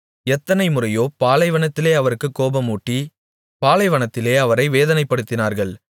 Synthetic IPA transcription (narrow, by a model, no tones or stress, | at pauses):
ɛt̪ːɐnɐɪmʊrɐjoːpaːlɐɪʋɐɳɐt̪ːɪleːɐʋɐɾɯkːɯkːoːbɐmuːʈːi | paːlɐɪʋɐɳɐt̪ːɪleːɐʋɐɾɐɪʋeːðɐnɐɪpːɐɽɯt̪ːɪnaːɾɣɐɭ